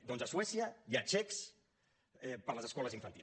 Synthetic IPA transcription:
d̪onzəswɛsiəjiat͡ʃɛks | ɛpəɾləzəskɔləziɱfənt̪i

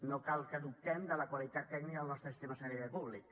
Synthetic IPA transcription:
nokalˠkəðuk̚t̪ɛmd̪ələkwalit̪at̪ːɛknikəəlnɔst̪ɾəsist̪emasɛɾiðəpuβlḭk

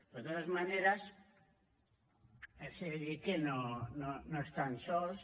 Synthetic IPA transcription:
pezðeðazmaneɾas | eseððikenononoest̪ansols

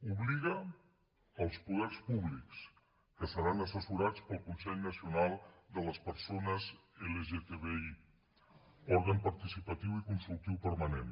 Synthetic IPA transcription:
uβliɣəː | lˠspuðɛrspuβliks | kəsəɾanəsəsuɾat͡spəlˠkunsɛʎnəsiunalˠd̪ələspəɾsonəzeləʒet̪eβei | ɔɾɣəmpəɾt̪isipət̪iwikunsulˠk̚t̪iwpəɾmanen

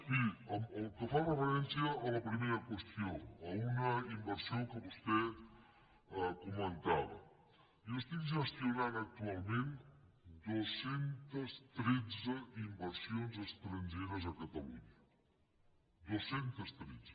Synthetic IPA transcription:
kiəməlˠkəfarəfəɾɛnsiəːləpɾimeɾəkwəst̪ioəunəimbəɾsiokəβust̪ɛ | əkumənt̪aβə̰ | iəst̪ikʒəst̪junanək̚t̪ualˠmẽn | d̪uəsent̪əst̪ɾed͡zəimbəɾsionzəst̪ɾənʲʒeɾəzəkət̪əlṵɲə | d̪uəsent̪əst̪ɾed͡zə

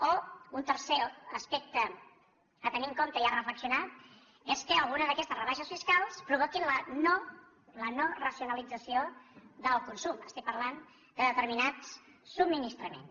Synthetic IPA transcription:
ount̪əɾseəspek̚t̪ə | ət̪əniŋkomt̪əiarəfləksiunat̪̚ | eskəəlˠɣunəzðəkɛst̪əsrəβaʃəsfiskalˠspɾuβokinləno | lənorəsiunəlid͡zəsioðəlˠkunsuməst̪ik̚pəɾlan | d̪əðət̪əɾminat͡ssub̚minist̪ɾəmḛns

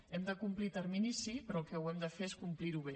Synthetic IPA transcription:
ɛmd̪əkumplit̪əɾminisipɾɔlˠkɛwɛmd̪əfeeskumpliɾuβe

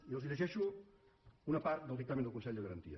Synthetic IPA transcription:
iəlˠziʎəʒɛʃu | unapaɾt̪d̪əlˠd̪ikt̪amend̪əlˠkunsɛʎd̪əɣəɾənt̪ḭə̰

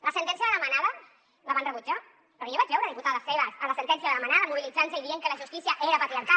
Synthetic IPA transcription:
lɐsənt̪ɛnsjəðəlamanaðə | laβanrəβud͡ʒa | pɾɔjoβad͡ʒβɛwɾəðimput̪aðəsːeβəsələsənt̪ɛnsiəɐðəlamanaðəmuβilid͡zanseiðieŋkəlaʒust̪isiaʔeɾəpat̪ɾiaɾka

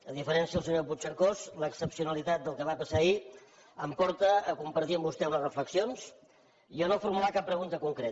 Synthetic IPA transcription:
əðifəɾɛnsiəlˠsəɲop̬ut͡ʃəɾkozləksəpsiunəlit̪at̪̚d̪əlˠkəβapəsai | əmpɔɾt̪əːkumpəɾt̪iəmbust̪ɛumlərəfləksions | iənofuɾmulakapːɾəɣunt̪əkuŋkɾet̪

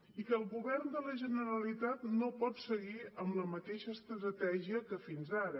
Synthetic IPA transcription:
ikəːlˠɣuβɛrnd̪ələʒənəɾəlit̪at̪nopɔt̪səɣiəmləmət̪eʃəːst̪ɾɾət̪ɛʒiəkəfinzaɾə

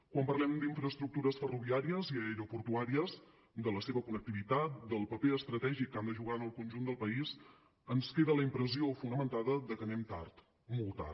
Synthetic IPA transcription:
kwampərlɛmd̪iɱfɾəst̪ɾuk̚t̪uɾəsfəruβiaɾiəziəɾopuɾt̪uaɾiəz | d̪ələseβəkunək̚t̪iβit̪at̪̚d̪əlˠpəpeəst̪ɾət̪ɛʒikːand̪əʒuɣ̞anəlˠkunʲʒund̪əlˠpəiz | ənskeðələimpɾəziofunəmənt̪aðəðəkənɛmt̪a̰rt̪ | molˠt̪a̰

